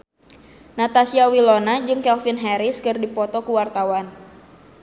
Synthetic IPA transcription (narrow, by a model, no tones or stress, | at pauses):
nat̪asiawilonad͡ʒɨŋkɛlfinɦɛɾɪskɨrdipɔt̪ɔkuwart̪awan